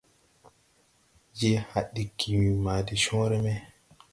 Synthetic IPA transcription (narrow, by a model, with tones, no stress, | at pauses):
d͡ʒe˦ha˨ɗːi˨kʰːi˨wi˨ma˨di˨ʃɔ̃ː˦ɾɛ˦mɛ˦